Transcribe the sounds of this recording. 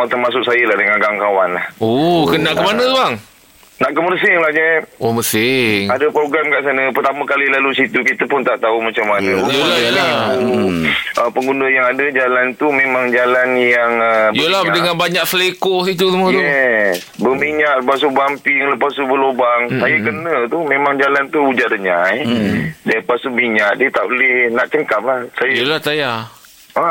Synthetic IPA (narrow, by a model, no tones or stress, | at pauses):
at̪ərmasʊk̚sajəlahdəŋanɡaŋkawanlahokənːaʔkəmanə̃aŋ | naʔkəmərsɪŋlahɲəomərsɪŋadəpɾoɡɾamkaʔsanəpərt̪amə̃kalilalusit̪ukit̪əpʊnt̪aʔt̪aumat͡ʃamːanəjəlajəla | ʔəpəŋɡundəjaŋadəd͡ʒalant̪umemaŋd͡ʒalanjaŋəjjəlahdəŋãnbaɲaksəlekosit̪usumə̃t̪uɛ | bəmiɲaʔləpas̬ubampɪŋləpasubəlobaŋsajakənət̪umemaŋd͡ʒalant̪uud͡ʒaʔdəɲajdapasumiɲaʔ̚diət̪a̰ʔbolɛhnaʔt͡ʃəŋkap̚lahsajajəlaht̪aja | a